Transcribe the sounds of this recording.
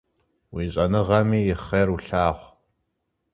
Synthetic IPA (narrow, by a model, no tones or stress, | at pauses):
wiːɕʼɐnɨʁɐmiːjɪχeːruɬaːʁʷ